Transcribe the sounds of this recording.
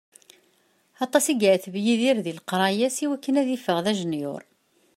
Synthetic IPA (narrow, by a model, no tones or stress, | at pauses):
ɑt̪ˤɑsiɡʕθvjiðiɾðilqɾˤɑjæsiwækːənæðifːəʁðæʒənjʊ̰ɾˤ